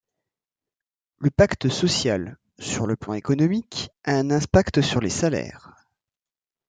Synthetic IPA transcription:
ləpakt̪əsɔsjal | syʁləplɑ̃ekɔnɔmikaɛ̃nɛ̃pakt̪əsyʁlesalɛ̰ːʁ

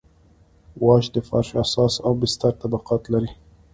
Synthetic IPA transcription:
wɑʃd̪əfɑ̰ɾʃasɑsabɪst̪aɾt̪abaqɑt̪laɾi

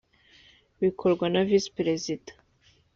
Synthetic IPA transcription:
βikʰoɾɡwanavispɾezidḁ

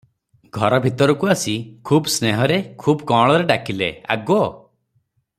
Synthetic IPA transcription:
ɡʱɔɾɔbʱit̪ɔɾɔkuasikʰubsneɦɔɾekʰubɔkɔɭ̃ɔɾeɖakilea̰ɡɔ

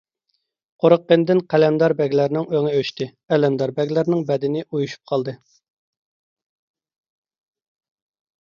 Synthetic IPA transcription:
qʰoɾəq̚ːend̪ɪnqʰælɛnd̪ɑɾbɛɡʲlæɾnɪŋøŋɪøʃt̪ɨ | ɛlɛnd̪ɑɾbɛɡʲlæɾnɪŋbɛd̪ɪnɪʔujuʃu̥p̚qʰɑlˠd̪ɨ

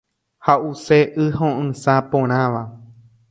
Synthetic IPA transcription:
hauseʔɨɦõʔɨ̃sapõɾ̃ãʋa

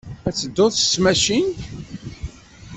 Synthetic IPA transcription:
æt͡sːəd̪ːoðsmæʃin

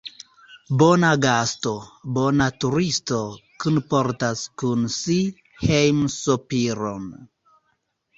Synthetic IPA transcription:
bo̞naɡasto̞bo̞natuɾisto̞kunpo̞ɾtaskunsi | hejmsopiɾo̰n

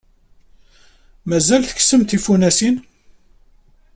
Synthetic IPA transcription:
mæzælθəçsəmt̪ifunæsin

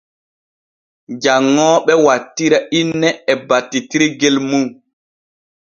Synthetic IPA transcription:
d͡ʒaŋːɔːɓɛwatːiɾaʔinːɛɛbatːitiɾiɡelmu

